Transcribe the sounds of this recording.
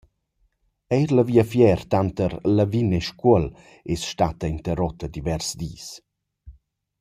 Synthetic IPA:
ɛjɾləviəfjɛrt̪ant̪əɾlavineʃkuəl | esʃt̪at̪əint̪əɾɔt̪ːəd̪ivɛrsd̪iːs

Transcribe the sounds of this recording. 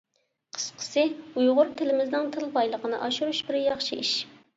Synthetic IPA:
qʰə̥sqʰə̥sɨujʁʊɾt̪ʰɪlɪmɪznɪŋt̪ʰɨlˠbɑjlˠəqʰənɨʔɑʃuɾuʃbɪɾjɑχʃiʔiʃ

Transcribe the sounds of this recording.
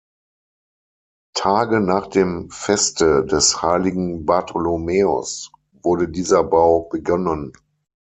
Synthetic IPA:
tʰaːɡənaːχd̥eːmfɛstədɛshaɪlɪɡŋ̩baɐtʰolomeːo̰s | vʊɐdədiːzɐbaʊb̥əɡɔnən

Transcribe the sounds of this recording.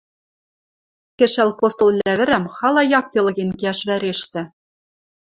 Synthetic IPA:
kʲɘ̆ʃælʲpost̪ŏlˠlʲæβɘ̆ɾæmχɑlˠɑjɑk̚t̪ʲelˠɤ̆ɣʲenkʲiæʃβæɾeʃt̪ɘ̆

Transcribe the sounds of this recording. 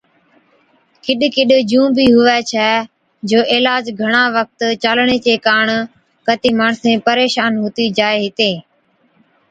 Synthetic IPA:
kɪɗkɪɗd͡ʒũːbiːɦʊʋɛːt͡ʃʰɛː | d͡ʒoːʔɪːlaːd͡ʒɡʱəɳ̃ãːʋək̚t̪t͡ʃalɳeːt͡ʃeːkaːɳ | kət̪iːmaːɳsẽːpəɾeːʃaːnɦʊːt̪iːd͡ʒaːeːɦɪt̪ẽː

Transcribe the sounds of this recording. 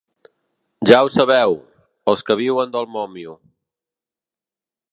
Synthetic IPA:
ʒawsəβɛw | əlˠskəβ̞iwənd̪əlˠmɔmju

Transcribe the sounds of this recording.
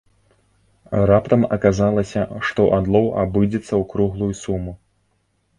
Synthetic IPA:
rapt̪ɐmɐkazalˠɐsʲɐʂt̪ɔʔad̪lˠɔwʔa̰bɨd͡zʲɛt̪sːɐwkɾuɣlˠujsumu

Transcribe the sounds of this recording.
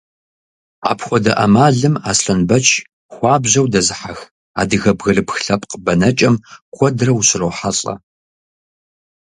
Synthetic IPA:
a̰ːpʰxʷɔdɐʔɐmaːɮɨmaːsɬɐnbɐt͡ʃʰʼ | xʷɑːbʑɐwdɐzɨħax | a̰ːdɨɣɐbɣɐrɨpxɬɐpʼqbɐnɐt͡ʃʼɐmkʷʰʼɔdrɐwɕɪrɐwħaɬʼɐ̰

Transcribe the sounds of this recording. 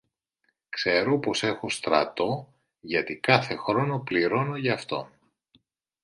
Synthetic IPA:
kse̞ɾo̞po̞se̞xo̞st̪ɾɐ̰t̪o̞ | ʝɐt̪ikɐθe̞xɾo̞no̞pliɾo̞no̞ʝɐːft̪o̞̰n

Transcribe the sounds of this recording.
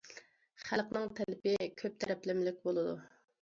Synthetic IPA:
χælqnɨŋt̪ʰɛlɪpɪkʲʰøp̚t̪ʰɛɾɛplɪmlɪk̚ʲbolˠɨd̪u

